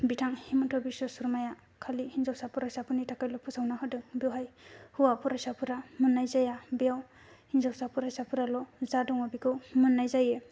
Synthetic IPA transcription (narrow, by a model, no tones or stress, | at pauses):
bitʰaŋhimɯntʰɔbisɔsuɾmaja | kʰalihinzawsapuɾajsapʰɯnitʰakajlɔpʰusawnaɦɯdɯŋbewɦajhuwapʰuɾajsapʰuɾamɯnːajzajabijaw | hinzawsapuɾajsapʰuɾalɔzadɔŋɔbikʰɯwmɯnːajzaje